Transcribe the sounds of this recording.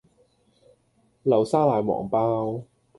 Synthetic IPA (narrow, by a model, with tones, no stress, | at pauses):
lɐ˨˩wsaː˥laː˨˥jwɔ̰ː˨˩ŋpaː˥w